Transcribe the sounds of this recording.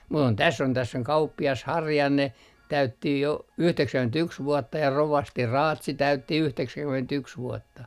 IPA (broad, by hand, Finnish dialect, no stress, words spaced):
mu on tæsː on tæsː oŋ kɑupːiɑs hɑrjɑnːe tæytːi jo yhteksæŋkymentyks ʋuɔtːɑ jɑ roʋɑsti rɑːtsi tæytːi yhteksæŋkymentyks ʋuɔtːɑ